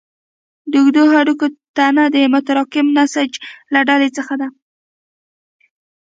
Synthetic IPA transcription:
d̪əʊxd̪oɦaɽukot̪anad̪əmʊt̪aɾɑkɪmnasad͡ʒlaɖalet͡səxad̪a

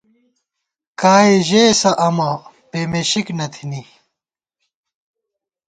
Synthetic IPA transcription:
kaːiʑeːsɐʔɐmɐ | peːmeɕiknɐt̪ʰini

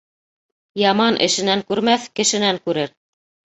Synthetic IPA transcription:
jɑmɑnʔɘ̰̆ʃɘ̆næŋkʉɾmæθkɘ̆ʃɘ̆næŋkʉɾɘɾ

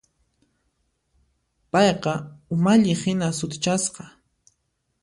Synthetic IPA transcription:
pɑjqɑʊmaʎɪhɪnasʊt̪ɪt͡ʃasqɑ

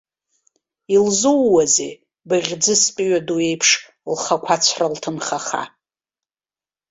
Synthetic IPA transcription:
ilzuwːazḛ | bɨʁʲd͡zɨspʼiɥadue̞jpʰʂ | lχakʷʰat͡ɕʷʰraltʰɨnχaχa̰

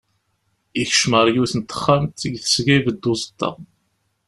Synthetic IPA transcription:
içəʃməɾˤjuθənt̪ːə̥χːæmt̪ːəɡθə̥sɡæjvəd̪ːʊzˤə̥t̪ːɑ̰

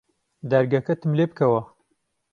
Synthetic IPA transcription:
d̪ɐɾɡɐkɐt̪ʰɨmlebkʰɐwɐ

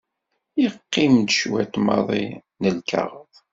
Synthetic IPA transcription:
jəqːimd̪ʃwæt̪mɑ̰ðˤḭ | nəlkɑ̰ʁəðˤ

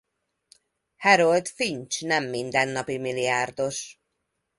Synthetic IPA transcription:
hɛɾolt̪fiɲt͡ʃnɛmːind̪ɛnːɒpimiliaːrd̪o̞ʃ

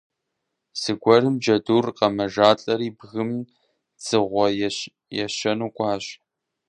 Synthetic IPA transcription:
sɨɡʷɔrɨmd͡ʒɐduːrqɐmɐʒaːɬʼɐɾiːbɣɨm | t͡sʼɨʁʷɔ | jɛɕɐnuːkʷʼɑːɕ

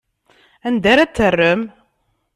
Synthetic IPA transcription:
ænd̪æɾæt͡sːərːəm

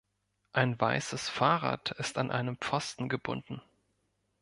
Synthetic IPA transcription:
ʔaɪnvaɪsəsfaːʁa̰ːtʰɪstanʔa̰ɪnəmp͡fɔstn̩ɡəbʊ̰ndn̩

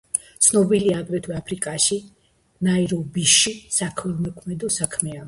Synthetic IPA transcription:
t̪sʰnɔbiliaːɡɾɛt̪ʰwɛapʰɾikʼaʃi | naiɾɔbiʃisakʰmɛlmɔkʰmɛd̪ɔsakʰmɛa

